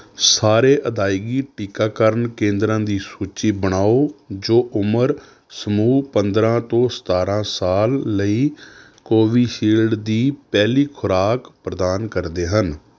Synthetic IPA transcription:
saːɾeːʔəd̪aːɪɡiːʈiːkaːkəɾənkẽːnd̪ɾãːd̪iːsuːt͡ʃiːbəɽ̃aːoːd͡ʒoːʔʊməɾ | səmuːpənd̪ɾãːt̪õːsə̥t̪aːɾãːsaːlːəiː | koːʋiːʃiːlɖd̪iːpɛːliːkʰʊɾaːkpɾəd̪aːnkəɾd̪eːɦən

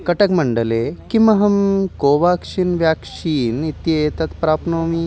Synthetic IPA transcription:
kɐʈɐkmɐɳɖɐlekimɐɦɐmkoːʋaːkʂiːnʋjaːkʂiːnit̪jeːt̪ɐt̪pɾaːpnoːmi

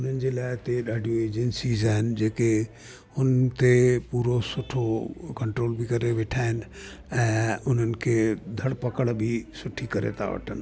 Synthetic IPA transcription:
ʊn̤ənɪ̆d͡ʑelaːɪt̪eɗaːɖʱijoeːd͡ʑənsizaːɦɪnd͡ʑeːke | ʊnt̪epuːɾosʊʈʰokɐ̃ɳʈɾoːlbʱikɐɾeʋeːʈʰaːɦɪn | ɛ̃ːʊn̤ən̆kʰed̪ʱɐɽpɐkəɽbʱisʊʈʰːikɐɾḛt̪a̰ʋə̰ʈʰən

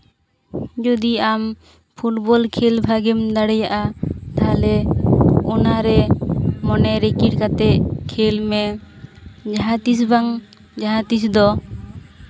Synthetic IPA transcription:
d͡ʒud̪iam | pʰuʈbɔlkʰelbʱaɡɛmd̪aɽɛjaʔat̪ʰalɛ | ɔnaɾɛmɔnɛɾɛkiʈkat̪ɛt̪kʰelmɛ | d͡ʒaɦat̪is̬baŋ | d͡ʒaɦat̪is̬d̪ɔ

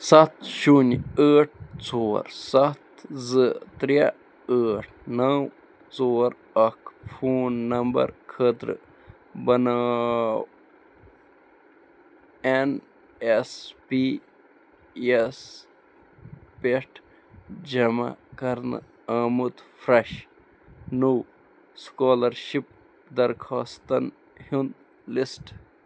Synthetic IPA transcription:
sɐt̪ʰʃunəːʈ̚ʰt͡so̰ːɾsɐt̪zɨt̪ɾija | əːʈʰnɐw | t͡soːɾ | ɐkfʰuːnːɐmbɐ̰ɾkʰət̪ɾɨ̰ | bɐnaw | en | espi | es | peʈʰ | d͡ʒɐma̰kɐɾnɨ̰ | əːmut̪fʰɾɐʃ | nuw | skaːlɐɾʃip̚ | d̪ɐɾkʰaːst̪ɐn | hund̪ | lisʈ

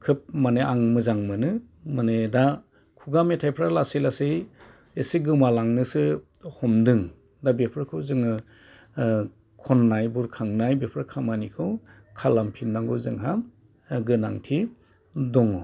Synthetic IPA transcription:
kʰɯp̚maneaŋmɯzaŋmɯnɯ | maneda | kʰuɡametʰajpʰɾalasilasɯj | esiɡɯmalaŋnɯsɯ | hɔmdɯŋ | dabepʰɾkʰɯwzɯŋɯ | kʰɔnːajbuɾkʰaŋnajbepʰɾakʰamanikʰɯw | kʰalampʰindaŋɡɯwzɯŋɦa | ɡɯnaŋtʰi | dɔŋɔ

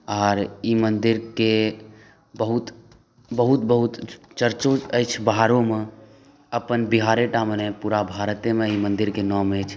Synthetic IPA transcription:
aːɾimənd̪iɾke | bəɦut̪ | bəɦut̪bəɦut̪t͡ʃəɾt͡ʃoəjt͡ʃʰbəɦaɾõme | əpənbiɦaɾeʈamnepuɾabʱaɾt̪emeimənd̪iɾkenɔməjt͡ʃʰ

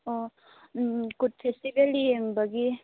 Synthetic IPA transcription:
ɔ | kud̚pʰestibelijeŋbaɡi

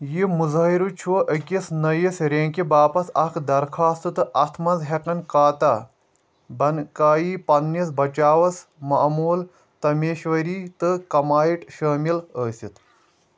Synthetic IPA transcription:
jimuzɐiɾut͡ʃʰuʔəkʲisnɐjisɾẽːŋkibaːpɐsɐkʰd̪ɐɾkʰaːst̪ɨt̪ɨʔɐt̪ʰmɐnzɦekɐnkaːt̪a | bɐnkaːjiːpɐnːisbɐt͡ʃaːʋɐsmɐʔmuːl | t̪ɐmeːʃʋɐɾiːt̪ɨkɐmaːiʈʃɐːmiləːsʲit̪

